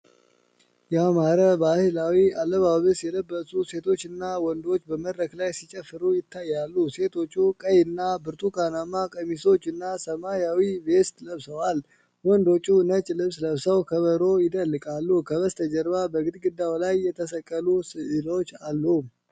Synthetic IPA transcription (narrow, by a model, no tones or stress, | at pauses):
jɛamaɾəbahɨlawialːəβaβɨsjɛləbːəsuse̞t̪ʰo̞t͡ʃːɨnːawɔnd̪o̞t͡ʃːbəməd̪ɾəklajsit͡ʃʼɛfːɨɾujɪt̪ʰːajːalːuse̞t̪ʰo̞t͡ʃːukʼəjɨnːabɨɾt̪ʰukʰanamːakʼəmiso̞t͡ʃːɨnːasəmajawibe̞st̪ləβsəwal | wɔnd̪o̞t͡ʃʼːunət͡ʃʼlɨβsləβsəwkʰəβəɾo̞jɪd̪əlːɨkʼalːukʰəβəst̪ʰəd͡ʒəɾβabəɡɨd̪ɡɨd̪ːawlajːɛt̪ʰəs̬əkʼːəlusɨʔɨlo̞t͡ʃːalːu